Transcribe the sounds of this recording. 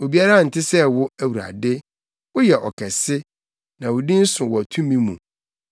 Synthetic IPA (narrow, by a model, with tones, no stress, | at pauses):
o˨bi˦a˦ɾa˦˨n̩˨tʰɪ˦sɛ˦wʊ˦æ˨wu˨ɾa̰˨dɪ˦ | wʊ˦jɛ˨ʔɔ˨kʰɛ˨sɪ˦ | nã˨wʊ˨dĩ˦n̩˦sʊ̃˨wɔ˨æ˨tʰũ˦mĩ˦mũ˨